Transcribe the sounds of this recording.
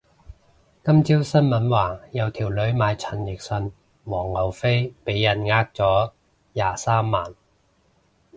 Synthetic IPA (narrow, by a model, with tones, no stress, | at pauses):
kɐ˥mt͡siː˥wsɐ˥nmɐ˨˥nwaː˨˧jɐ˨˧wt̪ʰiː˨˩wlɵ˨˧˥ɥmaː˨˧jt͡sʰɐ˨˩njɪ˨˩k̚sɵ˧n | wɔː˨˩ŋlɐ˨˩wfe˥jpe˨˥jːɐ˨˩nŋaː˧k̚t͡sɔː˨˥ | jaː˨saː˥mːaː˨˩n